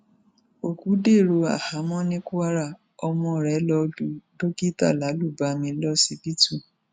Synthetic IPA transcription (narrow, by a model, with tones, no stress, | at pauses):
o˨ku˨˦de˦˨ɾo˧˦a̰˨ha˨˦mɔ̃˦nĩ˦ku˦a˦ɾa˦˨ | ɔ˧mɔ̃˧˨ɾɛ˨˦lɔ˧du˧˦do˦ki˦ta̰˦˨la˨˦lu˦˨ba˨˦mĩ˧˦lɔ˦si˧bi˦tu˦˨